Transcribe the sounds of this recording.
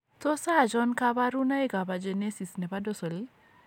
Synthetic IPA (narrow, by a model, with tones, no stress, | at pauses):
to˦sa˦˨d͡ʒɔ˦nka˦ba˦ɾu˦na˦i˦ɡa˨ba˨d͡ʒe˨ne˦si˨snɛ˨pa˦do˦so˨li˦